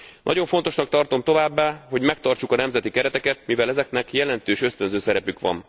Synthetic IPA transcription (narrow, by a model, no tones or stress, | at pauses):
nʔɒ̰ɟo̞ɱfo̞n̪t̪o̞ʃnɒk̚t̪ɒrt̪o̞mt̪o̞vaːbːaːɦo̞ɟmɛkt̪ɒrt͡ʃukɒnɛmzɛt̪ikɛɾɛt̪ɛkɛt̪̚mivɛlɛzɛknɛkjɛlɛnt̪øːʃøst̪ø̞nzøːsɛɾɛpykʋɒ̰n